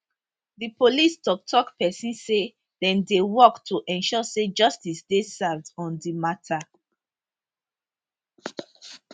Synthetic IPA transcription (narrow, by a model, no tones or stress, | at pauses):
ðipolistɔk̚tʰɔkpɛsĩnse | dɛ̃ndewɔktʰuʔɛ̃nʃɔsed͡ʒʌstisdesavdɔ̃ndimatʰa